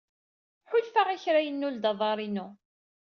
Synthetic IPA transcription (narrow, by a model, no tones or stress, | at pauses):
ħʊlfaʁiçɾæjənːuld̪ɑðˤɑɾˤinu